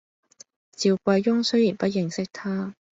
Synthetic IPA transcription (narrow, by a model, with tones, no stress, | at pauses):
t͡siː˨˧wkʷɐ˧jːʊ˥ŋsɵ˥jiː˨˩npɐ˥t̚jɪ˨ŋsɪ˥k̚t̪ʰaː˥